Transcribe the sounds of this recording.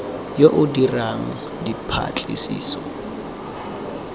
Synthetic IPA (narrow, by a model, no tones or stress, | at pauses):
joʔʊdiraŋ̩ | dipʰa̰t͡ɬʼɪ̰sḭːsɔ